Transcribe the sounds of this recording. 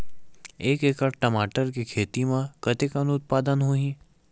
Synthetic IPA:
eːkeːkəɾʈɐmaːʈəɾk̬ikʰeːt̪imãkɐt̪ɪkənʊt̪̚paːd̪ənɦoːĩ

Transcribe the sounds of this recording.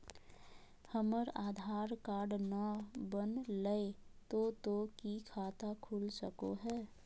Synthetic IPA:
həməɾaːd̪ʱaːɾkaːɾɖnabənləet̪ot̪okikʰaːt̪akʰulsəkoɦɛː

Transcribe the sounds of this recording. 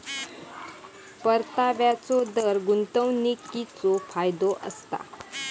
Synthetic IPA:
pəɾt̪aʋjat͡sɔd̪əɾɡunt̪əwnikːit͡sofajd̪oʔə̰st̪a̰

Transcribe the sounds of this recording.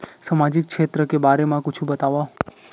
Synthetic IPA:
samad͡ʒik̚kʃʰet̪ɾəkebaɾemãkʊt͡ʃʰũbət̪aʋa

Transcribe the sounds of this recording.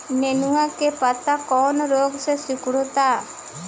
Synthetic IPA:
nenuwakepɐt̪akɔːnɾoːɡsesikɽut̪a

